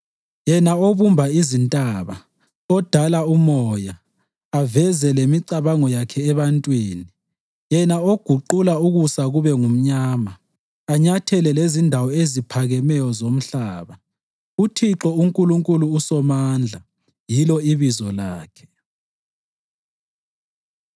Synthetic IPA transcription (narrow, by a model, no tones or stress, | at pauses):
jɛnaoβumbʱaizintʼaβa̰ | ɔd̥ʱalaumɔja | avɛzɛlemiǀaβaŋɔjakʰɛːβantʼwiːni | jɛnaoɡ̥ʱuǃulauɣusaɣuβɛŋum̩ɲaːmaː | ɲatʰɛlɛlezindʱawɔezipʰaɣɛmɛjɔzom̩ɬaːβa | utʰiǁɔuŋkʼuluŋkʼuluːsɔmaːnd͡ɮʱa | jilɔiβizɔlaːkʰɛ̥